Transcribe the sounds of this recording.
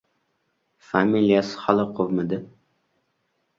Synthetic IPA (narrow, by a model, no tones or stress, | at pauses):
familijasɪ̥halˠɪqʰovmɪd̪ɪ